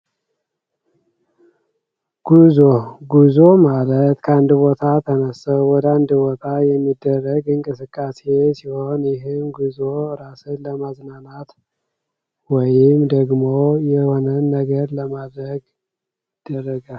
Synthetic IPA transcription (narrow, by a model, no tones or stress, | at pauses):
ɡ̥uzoɡuzomalət̪kʰəand̪bo̞t̪ʰat̪ʰənəsəwwɔd̪and̪bot̪ʰajɛmːid̪ːərːəɡɨŋkʼɨsɨkʼːase̞siho̞njɪɦɨmɡuzoɾasɨnləmaznanat̪ | wɔjɪmd̪əɡmojɛho̞nənːəɡəɾləmad̪ɾəɡ | ɪd̪̥ːərːəɡal